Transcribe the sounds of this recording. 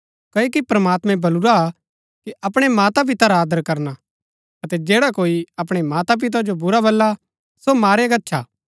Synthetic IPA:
kɐjkipɾɐmaːt̪mɛ̃bɐlʊɾaː | kiʔɐpɽ̃emaːt̪ap̬ɪt̪aɾaaːd̪əɾkɐɾna | ɐt̪ɛd͡ʒeːɽakoːiɐp̬ɽ̃emaːt̪ap̬ɪt̪̬ad͡ʒobʊɾabɐlːa | somaːɾeɡɐtːʃʰaː

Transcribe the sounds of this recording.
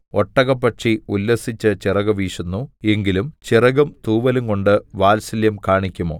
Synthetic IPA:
oʈːɐɣɐpːɐʈʂiulːɐsit͡ɕːɨt͡ɕirɐɣɐʋiːʂɐnːue̞ŋɡilumt͡ɕirɐɣɐmt̪uːʋɐluŋko̞ɳɖɨʋaːlsɐljɐmkaːɳikʲːumo̞̰ː

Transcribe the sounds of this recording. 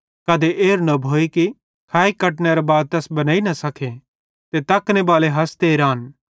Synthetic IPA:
kɐd̪eʔeːɾnɐbʱoːiki | kʰaːikɐʈneɾɐbaːd̪̚t̪ɛːsbɐnaːinɐsɐkʰe | t̪et̪ɐknebaːleɦɐst̪eːɾaːn

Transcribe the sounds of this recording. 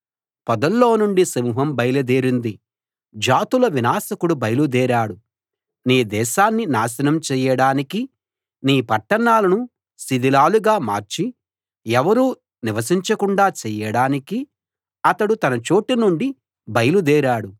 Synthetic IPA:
pɔd̪ɐlːoːnuɳɖisɐmuːɦɐmbɐjlɐd̪eːɾind̪i | d͡ʒaːt̪ulɐʋinaːsɐkuɽubɐjɐlud̪ɛːɾaːɽu | niːd̪ɛːʃaːnːinaːsɐnɐmt͡ʃɛːjɐɽaːniki | niːpɐʈːɐɳaːlɐnu | sid̪ilaːluɡaːma̰ːɾt͡ʃi | ɛʋɐɾuː | niʋɐsiɲt͡ʃɐkuɳɖaːt͡ʃɛːjɐɽaːniki | ɐt̪ɐɽut̪ɐnɐt͡ʃo̞ːʈinuɳɖi | bɐjɐlud̪ɛːɾaːɽu

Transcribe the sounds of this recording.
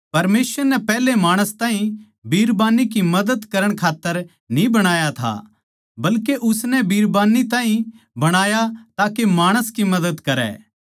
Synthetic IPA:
pɐɾmeːsʋəɾnɛpɛːɦlemaːɽ̃əst̪ãːɦĩ | biːɾbaːnik̬imɐd̪əd̪kɐɾəɽ̃kʰaːt̪ːəɾ | nĩbɐɽ̃aːjat̪ʰa̰ | bɐlkeʔʊsnɛbiːɾbaːnit̪ãːĩ | bɐɽ̃aːjat̪aːkemaːɽ̃əskimɐd̪əd̪kɐɾɛ̰ː

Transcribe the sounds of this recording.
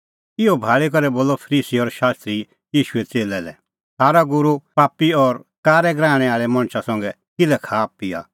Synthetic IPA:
ɪobʱaːɭik̬ɔɾɛboːlɔpʰəɾiːsiɔɾʃaːst̪ɾi | jiːʃuɛt͡seːlɛlɛ̰ | saːɾaɡʊɾupaːpiɔɾkaːɾɛɡɾãːɽ̃ɛ̃aːɭɛmɐ̃ɽ̃ʃasɐ̃ŋɡɛ | kɪlɛkʰaːpia̰ː

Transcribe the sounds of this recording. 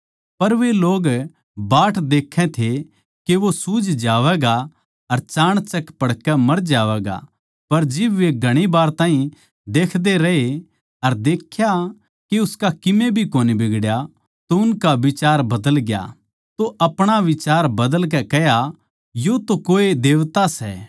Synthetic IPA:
pɐɾʋeloːɡ | baːʈʰd̪eːkʰːɛ̃t̪ʰe | keʋosuːd͡ʒd͡ʒaːʋɛːɡa | ɐɾt͡ʃaːɽ̃t͡ʃɐkpɐɽkɛmɐɾd͡ʒaːʋɛːɡa̰ | pɐɾd͡ʒɪbʋeɡʱɐɽ̃ibaːɾt̪aːĩ | d̪eːkʰd̪eɾɐɦe | ɐɾd̪eːkʰja | keʊskakɪmẽbʱikoːnibɪɡɽja | t̪oʊnkaʋɪt͡ʃaːɾbɐd̪əlɡja̰ | t̪oʔɐpɽ̃aʋɪt͡ʃaːɾbɐd̪əlk̬ɛkɛja | jot̪okoːed̪eːʋt̪asɛ̰

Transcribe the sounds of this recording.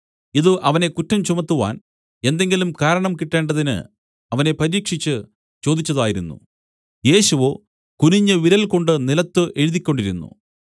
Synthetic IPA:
iðɨʔɐʋɐne̞kutːɐmt͡ɕumɐt̪ːuʋa̰ːn | e̞nd̪e̞ŋɡilumkaːɾɐɳɐmkiʈːe̞ːɳɖɐðinɨ̰ | ɐʋɐne̞pɐɾiːkʂit͡ɕːɨ | t͡ɕo̞ːd̪it͡ɕːɐðaːjiɾunːṵ | je̞ːɕuʋo̞ː | kuniɲːɐʋiɾɐlko̞ɳɖɨnilɐt̪ːɨʔe̞ɻuðikʲːo̞ɳɖiɾunːṵ

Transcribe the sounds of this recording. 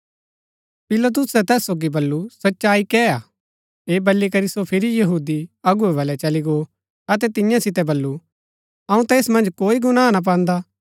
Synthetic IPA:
pɪlɐt̪̬ʊsɛt̪ɛːsːoːɡibɐlːusɐtːʃaːikɛaː | eːbɐlːikɐɾisopʰɪɾijɐɦuːd̪iɐɡuɛbɐlɛt͡ʃɐliɡo | ɐt̪ɛt̪ɪ̃jãsɪt̪ɛbɐlːu | ɐũt̪ɛːsmɐ̃nd͡ʒkoːiɡʊnãːnap̬ãːnd̪a

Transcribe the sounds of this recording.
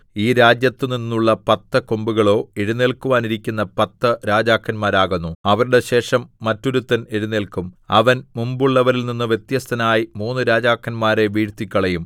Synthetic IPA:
iːɾaːd͡ʑjɐt̪ːɨninːuɭːɐpɐt̪ːɐkombuɣɐɭo̞ːeɽuneːɭkuʋaːniɾikʲːunːɐpɐt̪ːɐɾaːd͡ʑaːkʰːɐnmaːɾaːɣunːuɐʋɐɾuɽe̞ɕe̞ːʂɐmːɐtːoɾut̪ːɐneɽuneɭkumɐʋɐnmumbuɭːɐʋɐɾilninːɨʋje̞t̪jɐst̪ʰɐnaːjimuːnːɨɾaːd͡ʑaːkʰːɐnmaːɾe̞ʋiːɻt̪ikʲːɐɭɐjum

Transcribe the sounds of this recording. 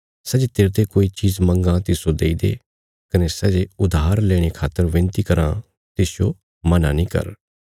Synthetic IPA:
sɛd͡ʒet̪eːɾt̪ekoːit͡ʃiːzmə̃ŋɡãt̪ɪsod̪eːid̪ḛ | kənesɛd͡ʒeʊd̪aːɾlɛːɽ̃ekʰaːt̪ːəɾʋɪ̃nt̪ikɐɾã̰ | t̪ɪsjo | mɐnãnĩːkə̰ɾ

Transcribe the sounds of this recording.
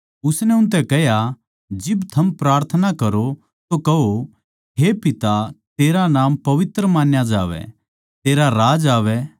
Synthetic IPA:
ʊsnɛʊ̃nt̪̬ɛkɛɦja | d͡ʒɪbt̪ʰɐmpɾaːɾt̪ʰənakɐɾo | t̪okɐɦo | ɦepɪt̪at̪eːɾanaːmpɐʋɪt̪ɾəmaːnjad͡ʒaːʋɛ̰ | t̪eːɾaɾaːd͡ʒaːʋɛ

